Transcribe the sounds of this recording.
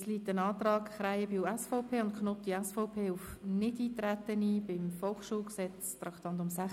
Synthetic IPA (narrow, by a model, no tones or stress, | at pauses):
sliːtənɑːt̪ɾɑːkχɾaɪəbiuɛsfɔʊpʰeːʊnt̚kʰnɔtiɛsfɔʊpʰeːʊfnɪdiːt̪ɾæt̪ənibɪmfɔlχʃuːlksɛt͡st̪ɾɑkt̪ɑntʊmsæ